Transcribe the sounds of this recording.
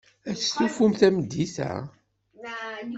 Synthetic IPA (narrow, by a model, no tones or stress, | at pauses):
æθθufumθæməd̪ːiθæ̰